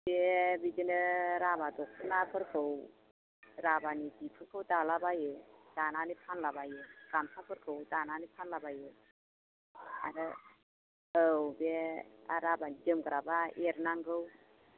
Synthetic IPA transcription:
b̥ebid͡ʒinɯɾabadɔkʰɯnapʰɯɾkʰɯw | ɾabanidipʰɯɾkʰɯwdalabajɯd̥ananipʰanlabajɯɡ̥amsʰapʰɯɾkʰɯwdananipʰanlabajɯ | a̰ɾɯ | əwbea̰ɾabanid͡ʒɯmɡɯɾabaeɾnaŋɡɯw

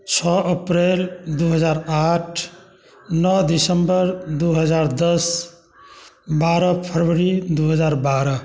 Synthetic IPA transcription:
t͡ʃʰɔʔəpɾeld̪uɦəd͡ʒaɾaʈʰ | nɔd̪isəmbəɾd̪uɦəd͡ʒaɾd̪əs | baɾʌpʰəɾʋəɾid̪uɦəd͡ʒaɾbaɾə

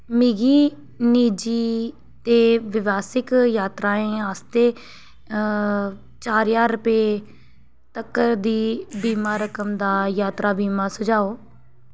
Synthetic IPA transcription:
mɪɡiː | niːd͡ʒiː | t̪eːʋɪʋaːsɪkjaːt̪ɾaːẽːaːst̪eː | t͡ʃaːɾjaːɾəpeː | t̪əkːəɾd̪iːbiːmaːɾəkəmd̪aːjaːt̪ɾaːbiːmaːsəd͡ʒaːoː

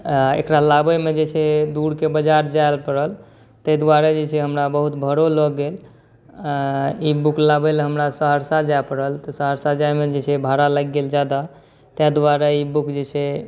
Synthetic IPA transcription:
ḛkɾalabəmed͡ʒet͡ʃʰɛd̪uɾkebəd͡ʒaɾd͡ʒajlpəɾəl | t̪əd̪waɾəd͡ʒet͡ʃʰɛɦəmɾabəɦut̪bʱəɾoləɡɡel | ibuklabelɦəmɾasəɦəɾsad͡ʒaepəɽəlt̪ɔsəɦəɾsad͡ʒajmed͡ʒet͡ʃʰɛbʱaɾaləɡːeld͡ʒad̪a | t̪ɛd̪waɾəibukd͡ʒet͡ʃʰɛ

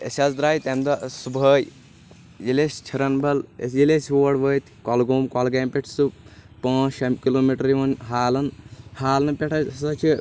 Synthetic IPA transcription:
ḛsʲazd̪ɾaːjt̪ɐmd̪ɐsubʱəːj | jilesʲt͡ʃʰɐɾɐnbʱɐlḛjilesʲʋoːɐɽʋəːt̪ʲʰkɔlɡoːmkɔlɡeːmpʲeʈʰsupãːt͡ʃʰɐmkiloːmiʈɐɾiʋɐnɦaːlɐnhaːlɐnpʲeʈʰɐsɐt͡ʃʰi

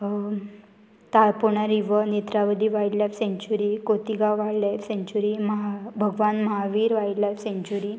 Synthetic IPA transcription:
t̪apuɳaɾiʋənet̪ɾaʋəd̪iːʋajɽlajfsẽɲt͡ɕuɾiːkot̪iɡaʋajlajfsẽɲt͡ɕuɾiməɦabʱəɡʋanməɦaʋiːɾʋaiɽlajfsẽɲt͡ɕuɾiː

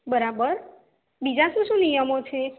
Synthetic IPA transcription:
bəɾabəɾ | bid͡ʒaʃũʃũnijəmot͡ʃʰe

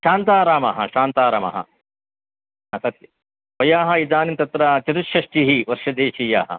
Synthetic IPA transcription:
ʃaːnt̪aːɾaːmɐɦɐ̰ʃaːnt̪aːɾɐmɐ̰ɦɐ̰ | ɦasɐt̪jɐ | ʋɐjaːɦɐid͡zaːnint̪ɐt̪ɾaːt͡ʃɐt̪uʃjɐʂʈiɦiʋɐɾʃɐd̪eːʃija̰ːɦɐ̰

